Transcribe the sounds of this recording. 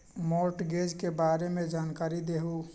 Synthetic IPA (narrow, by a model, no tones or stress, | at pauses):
moːɾʈɡeːd͡ʒkebaːɾemẽd͡ʒaːnkaːɾid̪eːɦu